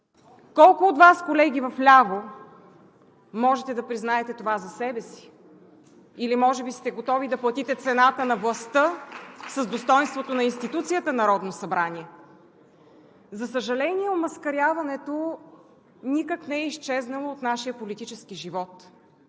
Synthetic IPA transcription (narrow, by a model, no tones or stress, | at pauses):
kɔlˠkʊːt̪vaskolɛɡ̟ivɐflʲavo | mɔʒɛt̪ɛd̪ɐpɾiznaɛt̪ɛt̪ovazɐsɛbɛsi̥ | ilimɔʒɛbist̪ɛɡot̪ɔvid̪ɐplˠɐt̪it̪ɛt̪sɛnat̪ənɐvlˠɐst̪ɤsəzd̪ost̪ɔjnst̪vot̪onɐinst̪it̪ut̪sijət̪ənɐɾɔd̪nosɐbɾanʲiɛ | zɐsəʒɐlɛnʲiɛomɐskɐɾʲavɐnɛt̪o | nikəknɛɛiʃt͡ʃɛznɐlˠoːt̪naʃijəpolit̪it͡ʃɛskiʒivɔt̪